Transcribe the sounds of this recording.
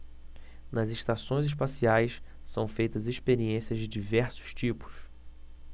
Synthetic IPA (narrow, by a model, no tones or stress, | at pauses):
nɐzeʃt̪asõj̃zɪʃ̬pasiajs | sɐ̃w̃fejt̪ɐzeʃpeɾiẽsiɐzd͡ʒɪd͡ʒivɛɾsʊ̥ʃt͡ʃipʊ̥s